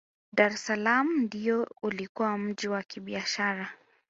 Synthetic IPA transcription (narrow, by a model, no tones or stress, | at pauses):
ɗaɾɛsalamndiɔulikuwam̩ʄiwakiɓiaʃaɾa